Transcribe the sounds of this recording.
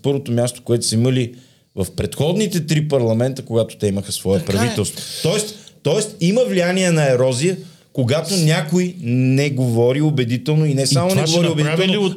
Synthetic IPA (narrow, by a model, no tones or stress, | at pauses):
pɤɾvot̪omʲjast̪o̥koɛt̪ʊ̥səiməli | vɐfpɾɛt̪xɔd̪nit̪ɛt̪ɾipɐɾlˠɐmɛnt̪əkoɡat̪o̥t̪ɛiməxəsvɔɛpɾɐvit̪ɛlˠst̪vot̪ɔɛst̪t̪ɔɛst̪iməvlijaniɛnɐɛɾɔzijə | koɡat̪onʲakojnɛɡovɔɾiobɛd̪it̪ɛlˠnoinɛsamonɛɡovɔɾiobɛd̪iɛli